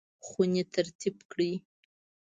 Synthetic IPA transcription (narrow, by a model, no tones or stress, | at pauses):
χunet̪ʰaɾt̪ʰibkɽi